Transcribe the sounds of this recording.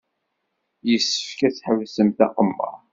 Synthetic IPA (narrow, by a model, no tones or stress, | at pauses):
jəsːə̥fkæt͡sːħəvsəmθæ̰qəmːə̰